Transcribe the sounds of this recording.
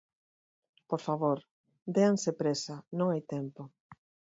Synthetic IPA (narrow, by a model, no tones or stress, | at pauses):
poɾfaβoɾ | d̪eaŋsepɾesanõŋajt̪empo